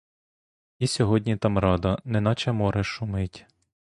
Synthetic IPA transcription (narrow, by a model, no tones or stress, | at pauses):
isʲɔɦɔdʲnʲit̪ɑmɾɑd̪ɐnɛnɑt͡ʃɛmɔɾɛʃʊmɪtʲ